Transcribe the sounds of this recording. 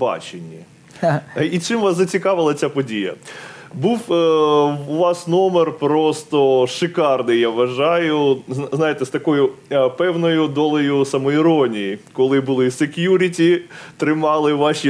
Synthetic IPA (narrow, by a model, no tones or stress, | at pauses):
bɑ̰t͡ʃenʲːi | it͡ʃɪmʋɑszɐt͡sʲikɑʋɪlˠɐt͡sʲapɔdʲijɐ̰ | buwː | ʋɑsnɔmerpɾɔst̪ɔʃɨkɑrnɪjaʋʋɐʒɑjʊzznɑjet̪ɛst̪ɐkɔjʊpɛwnɔjʊd̪ɔlˠɔjʊsɐmɔiɾɔnʲijikɔlˠɪbʊlˠɪsekʲjuɾʲitʲit̪ɾɪmɑlˠɪʋɑʃʲi